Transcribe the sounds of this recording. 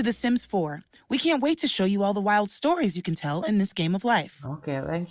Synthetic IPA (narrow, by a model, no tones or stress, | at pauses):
ɨðɨsɪ̃mz̥fɔɹ | wikʰæ̃nʔweɪtʰɨʃoʊjɨɔlˠðəwaɪlˠd̥stɔɹizjɨkɨ̃n̩tʰɛlˠɪ̃nðɪsɡ̥ẽɪ̃mʌvlaɪfo̰ʊkʰeæ̃ŋk